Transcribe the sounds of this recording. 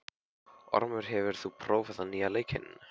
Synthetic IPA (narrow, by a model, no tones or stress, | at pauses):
ɔ̰ɾmʏɾ̥ɦɛvʏɾ̥θupʰɾowfɛsanialejchɪ̰n